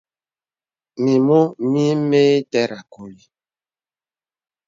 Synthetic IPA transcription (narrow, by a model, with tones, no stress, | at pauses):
mi˨mo˦mi˦me˦i˦tɛ˦ɾa˨ko˨li˦